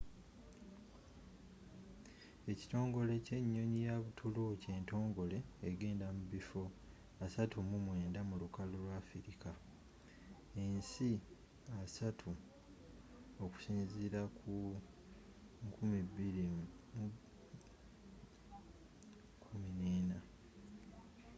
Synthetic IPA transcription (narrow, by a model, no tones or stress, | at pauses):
e̞ci̥to̞ːŋɡo̞le̞ce̞ɲːo̞ɲijaβutʰuluce̞ːnto̞ːŋɡo̞le̞ːɡe̞ːndamuβifo̞ | asatʰumumwe̞ːndamulukalolwafiɾika | e̞nsi | asatʰu | oku̥siːnziɾakʰu | kʰumiβːiɾi | kʰumineːna